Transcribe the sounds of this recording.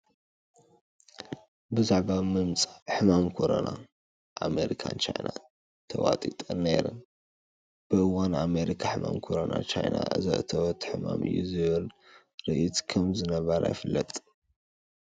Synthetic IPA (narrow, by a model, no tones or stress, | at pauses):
bɨzaʕbamɨmt͡sʼḁħɨmamkʰo̞ɾɐna | ʔame̞ɾikʰant͡ʃʰajna | t̪ʰɐwat̪ʼit̪ʼɨnːejɾɨn | b̥ɨʔɨwaname̞ɾikʰaħɨmamkʰoɾonat͡ʃajnaʔɨ̰zɐ̰ʔt̪ʰɐwt̪ʰːħɨmamɨ̰jːuzɨβɨl | ɾɨʔit̪kʰɐmzɨnɐβɐɾa̰jfɨlːɐt̪ʼ